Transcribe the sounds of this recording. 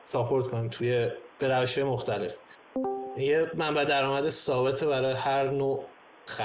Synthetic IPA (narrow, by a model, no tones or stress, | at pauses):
sɒːpʰo̞ɾt̪kʰonimt̪ʰujeb̥e̞ɾæveʃhɒːje̞moxt̪æle̞f | jemæmbæd̪æɾɒːmæd̪esɒːbe̞t̪ʰebæɾɒːjehæɾnoː | xæ